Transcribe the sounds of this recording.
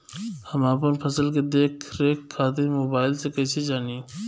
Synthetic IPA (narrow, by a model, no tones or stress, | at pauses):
həmaːp̬ənpʰəsəlk̬ed̪eːkʰɾeːkʰːaːt̪̬imoːbaːɪlsekɐsed͡ʒaːni